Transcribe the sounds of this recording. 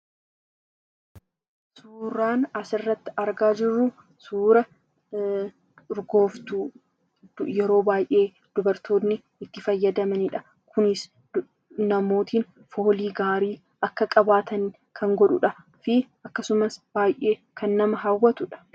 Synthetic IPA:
suːɾaːnɐsɪrːɐt̪ːɪ̥ɐɾɡaːd͡ʒɪrːu | suːɾɐ | ɾɡo̞ːft̪uː | jɛɾo̞ːbaːjʔe̞ː | d̪̥ʊbɐɾt̪o̞ːnːɪ | ɪt̪ːɪfɐjːɐd̪ɐmɐnɪᶑɐ | kʰʊnɪs | nɐmo̞ːt̪iːn | fo̞ːliːɡaːɾiː | ʔɐkːɐkʼɐbaːt̪ʰɐn | kʰɐŋɡɔᶑʊᶑɐ | fɪʔɐkːɐsʊmɐsb̥aːjʔe̞ːkʰɐnːɐmɐɦawːɐt̪ʊᶑɐ̥

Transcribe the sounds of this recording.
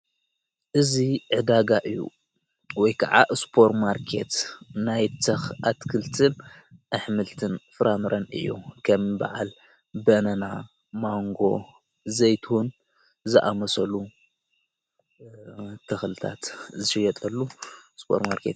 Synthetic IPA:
ʔɨziʕɨd̪aɡaʔɨjːṵ | wɔjkʰaʕa̰ʔspʰo̞ɾmaɾkʰe̞̰t̪najt̪ʰɐxat̪kʰɨlt̪ʰɨn | ʔɨħmɨlt̪ʰɨnfɨɾʔamɨɾɐnɨ̰jːṵkʰɐmba̰ʕa̰l | bɐnɐna | maŋɡo̞ | zɐjt̪ʰhun | zɨʔamɐsɐlu | t̪ʰɐxlɨt̪ʰa̰t̪zɨʃɨjɐt̪ʼɐlːuspʰo̞̰ɾmaɾkḛt̪

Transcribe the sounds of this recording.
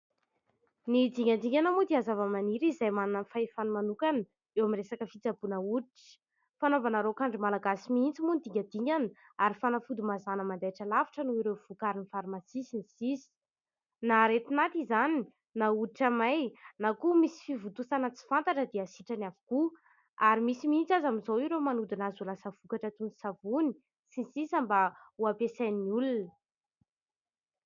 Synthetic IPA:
nid̪iŋand̪iɲanamud̪iazavəmaniɾizajmanunənfaifanumanukanə | ewamiresakəfit͡sabunəuɾiʈ͡ʂə̥ | fanovanaɾokaɳɖ͡ʐimalaɡasimiint͡simunid̪iŋʲad̪iɲanə | aɾifanafud̪umazanəmand̪aʈ͡ʂəlavi̥ʈ͡ʂənuiɾewv̥ukaɾinifaɾumasisinisisi̥ | naɾet̪inat̪izani | nauiʈ͡ʂamajnakumisi̥fivut̪usanət͡si̥fant̪aʈ͡ʂəd̪easiʈ͡ʂanavu̥ku | aɾimisimiint͡sazamizowiɾemanud̪inazulasəv̥ukaʈ͡ʂət̪uni̥savuni | sinisisambauapesajniulunə

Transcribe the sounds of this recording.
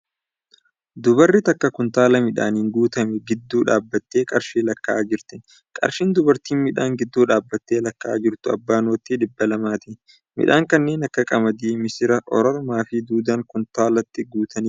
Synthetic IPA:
d̪ʊbɐrːɪt̪ɐkːɐkʊnt̪aːlɐmɪᶑa̰ːniːŋɡuːt̪ɐmɛɡɪd̪ːuːᶑaːbːɐt̪ːe̞ːkʼɐɾʃiːlɐkːaːd͡ʒɪɾt̪ɪ | kʼɐ̰ɾʃiːnd̪ʊbɐɾt̪iːnmɪᶑaːŋɡɪd̪ːuːᶑaːbːɐt̪ːe̞ːlɐkːa̰ːd͡ʒɪɾt̪ʊɐ̰bːaːnoːt̪ːiᶑ̪ɪbːɐlɐmaːt̪ɪ | mɪ̰ᶑaːŋkɐnːe̞ːnɐkːɐkʼɐmɐd̪iːmɪsɪɾɐʔɔɾɔɾmaːfɪd̪uːd̪ɐŋkʊnt̪aːlɐt̪ːɪɡuːt̪ɐni

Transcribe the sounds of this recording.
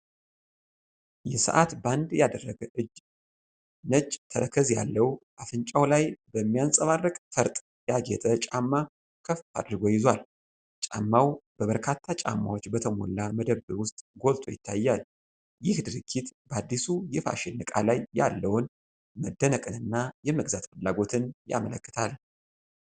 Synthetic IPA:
jɛsə̰ʔat̪band̪jad̪ərːəɡəʔɨd͡ʒ | nət͡ʃːt̪ʰəɾəkʰəzja̰lːəwʔafɨnt͡ʃʼawlajbəmːijansʼəβarːəkʼfʰəɾt̪ʼ | jaɡɛt̪ʼət͡ʃʼamːa | kʰəfa̰d̪ɾɨɡojɪzwal | t͡ʃʼa̰mːawb̥əβəɾkʰat̪ʰːat͡ʃʼa̰mːa̰wot͡ʃːbət̪ʰəmo̰lːaməd̪əβɨwʊst̪ʼɡo̞lt̪ʰʼo̞̰jɪt̪ʰːajːal | jɪhd̪ɨɾɨkʰːit̪bəad̪ːisujɪfa̰ʃɪnːɨkʼalajːa̰lːəwʊn | məd̪ːənəkʼɨnɨnːajɛməɡzat̪fɨlːaɡo̞t̪ʰɨnja̰mələkːɨ̥t̪ʰal

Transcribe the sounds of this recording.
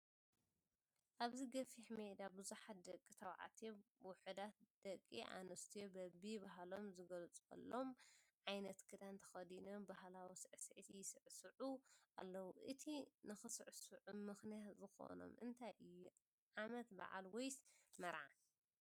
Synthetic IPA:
ʔaβziɡɐfiħmed̪abɨzuħat̪̚d̪ɐkʼːit̪ʰɐwʕa̰t̪ʰewʊħɨd̪at̪̚d̪̥ɐkʼːiʔa̰nɐst̪ʰijobɐbibaɦlomzɨɡɐlt͡sʼɐ̰lːomʕajnɐt̪kʰɨd̪ant̪ʰɐ̥xɐd̪inombahlawisɨʕsʕt̪ʰijɪsɨʕsɨʕuʔa̰lːɐwuʔɨt̪ʰinɨxɨsɨʕsɨʕumɨxnijat̪zɨxo̰no̞̰mʔɨ̰nt̪ʰajʔɨjːu | ʕamɐt̪ba̰ʕa̰lwojsmɐɾʕa̰

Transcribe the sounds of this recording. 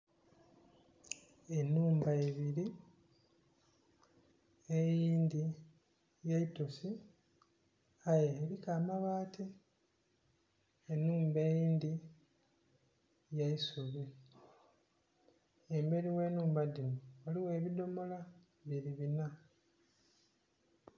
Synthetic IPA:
enːuːmbaeβiɾi | ejiːnd̪i | jaitofi | ajeːɾikaːmaβaːti | enːuːmbe̞jiːnd̪i | jaisuβi | embe̞ɾiwe̞ːnuːmbad̪inuwaliwe̞ːβid̪o̞mo̞la | βeɾiβina

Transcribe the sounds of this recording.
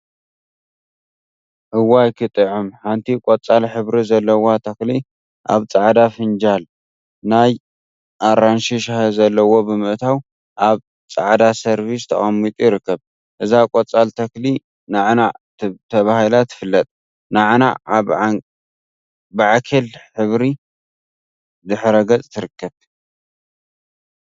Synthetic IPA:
ʔɨwajkʰɨt̪ʼɨʕumħant̪ʰikʼot͡sʼalħɨβɾizɐlːɐwat̪ʰɐkli | ʔa̰βt͡sʼaʕd̪afɨnd͡ʒal | naj | ʔaɾanʃiʃahzɐlːɐwo̞bɨmɨʕt̪ʰaw | ʔaβ | t͡sʼaʕd̪asɐɾβist̪ʰɐ̰χʼɐmːit̪ʼujɪɾɨkːɐβ | ʔɨzakʼot͡sʼalt̪ʰɐkli | naʕna | t̪ʰɐβahilat̪ʰɨ̥fɨlːɐt̪ʼ | naʕna̰aβ | bɨʕakʰɐlħɨβɾi | d̪ɨħɾɐɡɐt͡sʼt̪ʰɨɾɨkːɐβ

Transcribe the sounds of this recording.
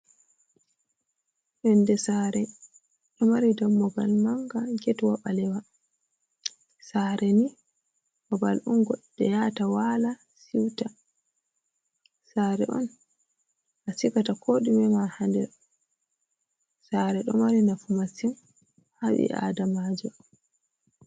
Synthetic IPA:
ɗɔndɛsaɾɛ | ɗɔmaɾidamːɔɡalmaŋɡaɡɛtwaɓalɛwa | saɾʔɛni | bɔbalʔɔnɡɔɗːɛjatawala | siwta | saːɾɛ̰ʔɔ̰n | ʔasikatakʰoːɗimɛmahandɛ̰ɾ | saːɾɛɗɔmaɾinafumasim | haɓḭʔa̰damaːd͡ʒɔ

